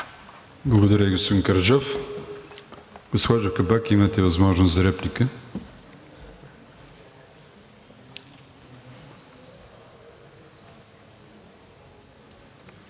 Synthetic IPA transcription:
blˠɐɡod̪ɐɾʲəɡosəŋkɐɾd͡ʒɔf | ɡosxaʒəfkɐbakimət̪ɛvɐzmɔʒnoszɐɾɛpnikə

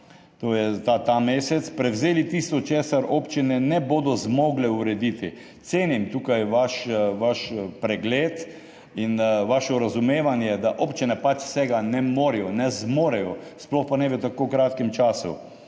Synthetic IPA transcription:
t̪oːjɛt̪at̪ameːsɛt̪spɾɛwzeːlit̪ist̪ɔt͡ʃeːsaɾoːpt͡ʃinɛnɛboːd̪ɔzmoːɡlɛuɾɛd̪it̪i | t̪seːnimt̪uːkajʋaʃʋaʃpɾɛɡleːt̪ | inʋaʃɔɾazumeːʋanjɛd̪aʔopt͡ʃinɛpat͡ʃsɛɡanɛmoːɾijɔnɛzmoːɾɛjɔsplɔxpanɛbɛt̪akowkɾaːt̪kɛmt͡ʃaːsṵ

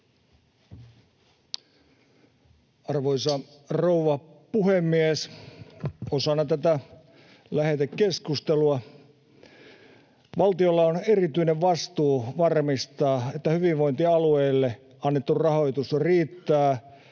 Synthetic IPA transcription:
ɑrʋoisɑ | rouʋɑpuhemːies | osɑnːɑt̪æt̪æ | læhet̪ekkeskust̪eluɑ | ʋɑlt̪iolːɑonerit̪yineʋʋɑst̪uːʋɑrmist̪ɑːet̪ːæhyʋiʋʋo̞jnt̪iɑlueːlːe | ɑnːet̪ːurrɑho̞it̪usriːt̪ːæː

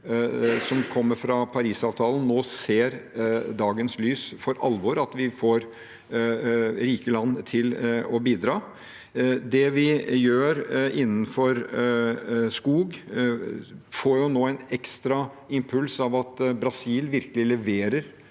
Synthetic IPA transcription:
sɔmkʰɔmːəɾfɾɑpʰɑɾiːsɑːʋt̪ʰɑːlən̩noːseːɾd̪ɑːɡənslyːsfɔɾʔɑlʋɔɾɑt̪ʋɪfoːɾ | ɾiːkəlɑnːt̪ʰɪlɔbiːd̪ɾɑː | d̪ɛʋɪjøːɾɪnːn̩fɔɾ | skuːɡ | foːɾjʊnoːæɪnɛkst̪ɾɑ | ɪmpʰʉlsɑʋɑt̪bɾɑsiːlʋɪɾkəlɪlɛʋeːɾəɾ

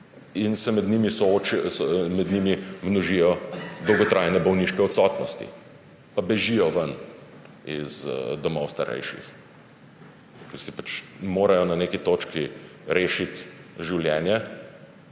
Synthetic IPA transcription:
insɛmɛd̪niːmisɔoːt͡ʃɛsmɛd̪nimimnɔʒijɔd̪ɔwɡɔt̪ɾajnɛbɔwniʃkɛɔt̪sɔt̪nɔst̪ḭ | pabɛʒijɔʋən | izd̪ɔmɔwst̪aɾɛ̰jʃḭx | kɐɾsipat͡ʃmoːɾajɔnɐneːkit̪oːt͡ʃkiɾeːʃit̪ʒiwljɛːnjɛ

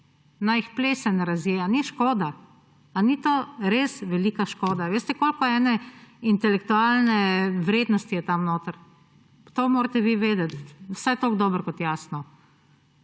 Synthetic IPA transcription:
najixplesɛnɾazjeaniʃkoːd̪aː | nit̪oːɾesʋɛliːkaʃkoːd̪aʋeːst̪ɛkoːlkɔɛːnɛint̪ɛlɛkt̪ualnɛʋɾeːd̪nɔst̪ijɛt̪amnoːt̪əɾ | t̪omoːɾt̪ɛʋiʋeːd̪ɛt̪wsajt̪oɡd̪ɔːbəɾkɔt̪jaːsnɔ

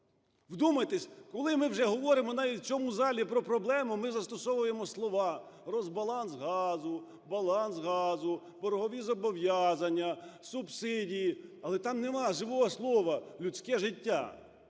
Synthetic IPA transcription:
ʋd̪umɐjt̪esʲkɔlˠɪmɪwʒɛɦɔʋɔɾɪmɔnɑʋʲitʲt͡sʲɔmuzɑlʲipɾɔpɾɔblˠɛmʊmɪzɐst̪ɔsɔʋʊjemɔslˠɔʋɑ | rɔzbɐlˠɑnsɦɑzʊ | bɐlˠɑnsɦɑzʊ | bɔɾɔɦɔʋʲizɔbɔʋjɑzɐnʲːɐsʊbsɪdʲijiɐlˠɛt̪ɑmnemɑʒɪʋɔɦɔslˠɔʋɐlʲut͡sʲkɛʒɪtʲːa̰

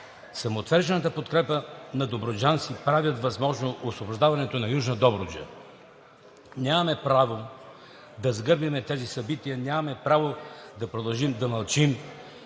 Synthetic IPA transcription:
sɐmoːt̪vɛɾʒɛnɐt̪əpot̪kɾɛpənɐd̪obɾod͡ʒant̪sipɾavʲjɐt̪vɐzmɔʒnoʔosvoboʒd̪avɐnɛt̪onɐjuʒnəd̪ɔbɾod͡ʒə̰ | ɲʲamɐmɛpɾavo | d̪ɐzɡɤɾbimɛt̪ɛzisɐbit̪iənʲamɐmɛpɾavod̪ɐpɾod̪ɐlˠʒimd̪ɐmɐlˠt͡ʃim

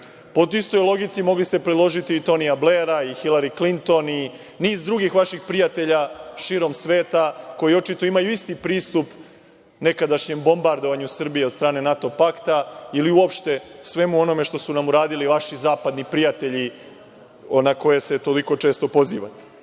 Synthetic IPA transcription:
pot̪ist̪o̞jlˠo̞ɡit̪simo̞ɡlist̪e̞pɾed̪lˠo̞ʒit̪iːt̪o̞nijable̞ɾaixilˠaɾiklint̪o̞ni | niːzd̪ɾuɡixʋaʃixpɾijat̪e̞ʎaʃiːɾo̞msʋe̞ːt̪ako̞jio̞t͡ʃit̪o̞imajuist̪ipɾiːst̪up | ne̞kad̪aʃɲe̞mbo̞mbaɾd̪o̞ʋaɲusr̩bijed̪st̪ɾaːne̞nat̪o̞pakt̪ailiuopʃt̪e̞sʋe̞muo̞no̞me̞ʃt̪o̞sunamuɾaːd̪iliʋaʃizaːpad̪nipɾijat̪e̞ʎi | nako̞je̞se̞t̪o̞liko̞t͡ʃe̞ːst̪o̞po̞zḭːʋa̰t̪e̥

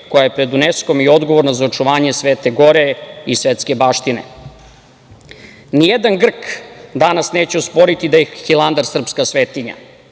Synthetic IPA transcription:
ko̞jajepɾe̞d̪unesko̞mio̞d̪ɡo̞ʋo̞ɾnazaot͡ʂuʋaːɲesʋeːt̪e̞ɡo̞ɾeisʋet̪ske̞baːʃt̪inḛ | nijed̪anɡr̩kd̪anasneːt͡ɕeospo̞ɾit̪id̪ajixilˠand̪aɾsr̩pskasʋeːt̪iɲa̰

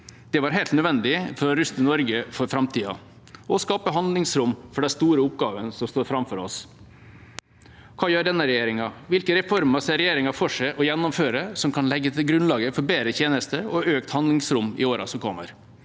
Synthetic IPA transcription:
d̪̥ɛʋɑːɾɦɛːlt̪nœd̪ʋɛnd̪ɪfɔɾɔɾʉst̪ənɔɾɡəfɔɾfɾɑmt̪ʰiːɑ̰ | ɔskɑːpəɦɑnd̪lɪŋsɾʊmːfɔɖɛst̪uːɾəʊp̚ɡɑːʋənsɔmst̪oːɾfɾɑmfɔɾɔs | kʰɑːjøːɖɛnːəɾɛjeːɾɪŋɑʋɪlkəɾɛfɔɾməsɛɾɛjeːɾɪŋɑfɔʂæɪʔɔjɛnːɔmføːɾəsɔmkʰɑnlɛɡːət̪ʰɪlɡɾʉnlɑːɡəfɔɾbeːɾət̪ʰeːnəst̪əɔøːkt̪hɑnd̪lɪŋsɾʊmːɪ̰oːɾɑ̰sɔmkʰɔmːə̰ɾ

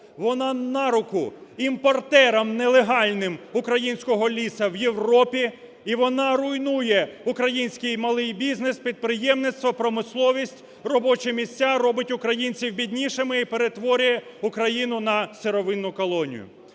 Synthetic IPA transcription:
ʋɔnɑnɑɾʊkʊimpɔrt̪ɛɾɐmnelˠeɦɑlʲnɪmʊkɾɐjinʲsʲkɔɦɔlʲisɐwjewɾɔpʲi | iʋɔnɑɾʊjnujɛʊkɾɐjinʲsʲkɪjmɐlˠɪjbʲizʲnɪspʲid̪̚pɾɪjɛmnɪt̪st̪ʋɔpɾɔmɪslˠɔʋʲisʲtʲ | rɔbɔt͡ʃɛmʲisʲt͡sʲːaɾɔbɪtʲʊkɾɐjinʲt͡sʲiwbʲid̪ʲnʲiʃemɪipeɾet̪ʋɔɾʲʊjɛ | ukɾɐjinʊnɐseɾɔʋɪnːʊkɔlˠɔnʲḭjʊ̰

